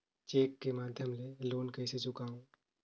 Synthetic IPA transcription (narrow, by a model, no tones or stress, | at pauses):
t͡ʃeːkːemaːd̪ʱjəmleloːnkɐːset͡ʃʊkaːũ